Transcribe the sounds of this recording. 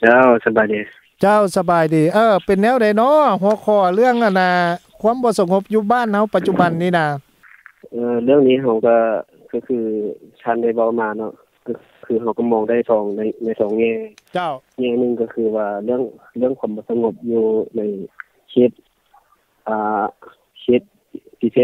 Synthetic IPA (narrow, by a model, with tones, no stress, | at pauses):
t͡ɕa˧˥˨wsa˧baː˨˩jdiː˨˩ | t͡ɕa˧˥˩wsa˧baː˨˩jdiː˨˩ʔɤː˧˩pe˨nːɛː˧˥˨wda˨˦jnɔ˧˥ɦu˧˦kʰɔː˧˩lɯ˥˨əŋʔa˧˩nːa˧kʰu˧˥ə˨mbɔː˧˦sa˧ŋo˧˥p̚juː˧baː˥˨nha˧˥˨wpa˧t̪̚t͡ɕu˧ba˨nːiː˧˥˨na˧ | ʔɤː˧lɯ˥˨əŋniː˧˥ɦa˧˩wka˧˩ | ka˧˩kʰɯː˧t̪ʰaː˧˩˨nda˥˩jwa˧wmaː˧nɔ˧ʔ | ka˧ | kʰɯː˧˩ɦa˧˩wka˧˩mɔː˧˩ŋda˥˩˨jsʰɔː˨˦ŋna˧˩jna˧˩jsʰɔː˨˩˦ŋŋɛː˧˨t͡ɕa˧˩wŋɛː˧˩nɯ˧˨ŋka˧˩kʰɯː˧waː˧˩lɯ˥˩əŋlɯ˥˨əŋkʰu˧˥˨mbɔː˧˦sa˧ŋo˧˥p̚juː˧na˧˩j | he˧˦t̪̚ | ʔaː˨˩ | he˧t̪̚ | t̪ʰiː˧˩sʰe˧